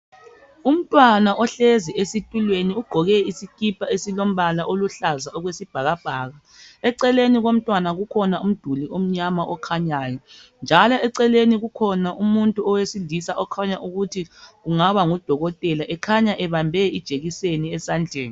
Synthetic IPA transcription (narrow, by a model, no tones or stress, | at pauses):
um̩tʼwanaʔɔɬɛziesitʼulweniuɡ͡ǃ̥ʱɔɣɛisikʼipʰaesilom̩βalaʔoluɬazaɔɣwesib̥ʱaɣab̥ʱaːɣa | ɛǀɛleniɣom̩tʼwanaɣukʰɔnaum̩d̥ʱuliom̩ɲamaʔɔkʰaɲaːjɔnd͡ʒʱalɔɛǀɛleniɣukʰɔnaʔumuntʼuɔwesilisaʔɔkʰaɲaʔuɣutʰiɣuŋaβaŋud̥ʱɔɣɔtʼɛlaʔɛkʰaɲaʔɛβambʱɛid̥ʒ̥ʱeɣiseniɛsaːnd͡ɮʱɛːni